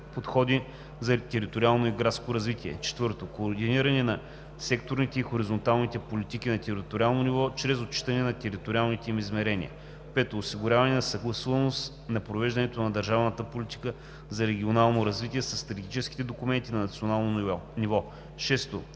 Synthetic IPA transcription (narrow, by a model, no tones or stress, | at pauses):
pot̪xɔd̪i | zɐt̪ɛɾit̪oɾialˠnoiɡɾat̪skoɾɐzvit̪ʲiɛ̰t͡ʃɛ̥t̪vɤɾt̪okoːɾd̪iniɾɐnɛnɐ | sɛkt̪oɾnit̪ɛixoɾizont̪alˠnit̪ɛpolit̪ik̟inɐt̪ɛɾit̪oɾʲialˠnonivɔt͡ʃɾɛzot̪̚t͡ʃi̥t̪ɐnɛnɐt̪ɛɾit̪oɾʲialˠnit̪ɛimizmɛɾɛnḭə̰ | pɛt̪oːsiɡʊɾʲavɐnɛnɐsɐɡlˠɐsuvɐnost̪ | nɐpɾovɛʒd̪ɐnɛt̪onɐd̪ɐɾʒavnət̪əpolʲit̪i̥kə | zɐɾɛɡ̟ʲionalˠnoɾɐzvit̪ʲiɛsɐsːt̪ɾt̪iɡ̪ʲit͡ʃɛsk̟i̥t̪ɛd̪okumɛnt̪inɐnɐt̪sionalˠnonivɔ | ʃɛst̪o